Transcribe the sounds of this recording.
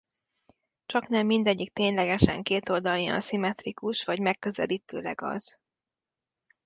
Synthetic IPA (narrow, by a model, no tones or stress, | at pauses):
t͡ʃɒknɛmːind̪ɛɟːik̚t̪eːɲlɛɡɛʃɛ̰ŋkeːt̪o̞ld̪ɒlijɒ̰nsimɛt̪rikuʃʋɒɟmɛkːø̞zɛliːt̪ø̰ːlɛɡɒ̰z̥